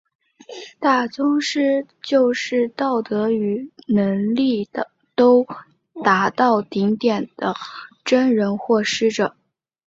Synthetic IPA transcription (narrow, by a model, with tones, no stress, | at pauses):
t̪a˥˩t͡sʊ˥ŋʂɻ̩˥ | t͡ɕjo˥˧ʊʂɻ̩˥˧t̪ɑ˥˩ʊt̪ɤ˧˥y˧˥nɤ˧˥ŋli˥˩ | t̪o˥ʊ | t̪a˧˥t̪ɑ˥˩ʊt̪i˧˥ŋt̪jɛ˨˩nd̪̥ə˦ | ʈ͡ʂə˥nɻə˧˥nxwɔ˥˩ʂɻ̩˥ʈ͡ʂə˨˩˦